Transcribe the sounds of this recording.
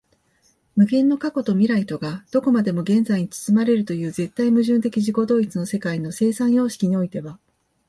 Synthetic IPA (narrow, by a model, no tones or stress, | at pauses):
mɯ̟ɡẽ̞nːo̞kako̞t̪o̞mʲiɾait̪o̞ɡad̪̥o̞ko̞mad̪e̞mo̞ɡẽ̞nzaiɲ̟it͡sɨ̥sɨmaɾe̞ɾɯ̟t̪o̞jɯ̟ːze̞t̪ːaimɯ̟ʑɨ̃nt̪e̞kʲiʑiko̞d̪o̞ːit͡sɨno̞se̞kaino̞se̞ːsãɰ̃jo̞ːɕi̥kʲiɲ̟io̞it̪e̞βa